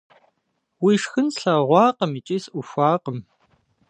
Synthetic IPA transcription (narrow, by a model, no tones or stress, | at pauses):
wiːʂxɨnɬɐʁʷɑːqəmit͡ʃʼiːsʔʷʊfʷɑːqəm